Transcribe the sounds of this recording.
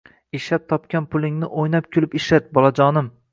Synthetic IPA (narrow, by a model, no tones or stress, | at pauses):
eʃlap̚t̪ʰɒpkʲanpʰʊlˠɪŋnɪʔojnap̚kʲʰʊlɪpɪʃlat̪̚bɒlˠad͡ʒɒnɪm